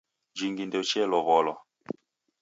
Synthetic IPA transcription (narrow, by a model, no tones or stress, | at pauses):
d͡ʒiŋɡindɛt͡ʃɛlɔβɔlɔ